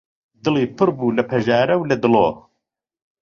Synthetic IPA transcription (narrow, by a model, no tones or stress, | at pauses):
d̪ɨliːpʰɨɾbuːlɐpʰɐʒaːɾɐwlɐd̪ɨloː